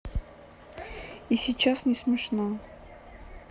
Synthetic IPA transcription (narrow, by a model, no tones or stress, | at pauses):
isʲɪt͡ɕasnʲɪsmʲɪʂna